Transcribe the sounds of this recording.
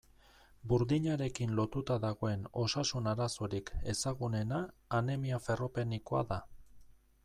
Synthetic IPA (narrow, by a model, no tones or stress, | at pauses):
buɾðiɲaɾe̞kinlo̞t̪ut̪aðaɣ̞o̞e̞no̞sasunaɾaso̞ɾike̞saɣune̞naːne̞miafe̞ro̞pe̞niko̞a̰ða